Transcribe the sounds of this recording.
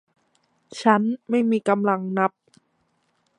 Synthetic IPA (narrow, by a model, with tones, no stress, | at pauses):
t͡ɕʰa˦˥nma˥˩jmiː˧ka˧mla˧ŋna˦˥p̚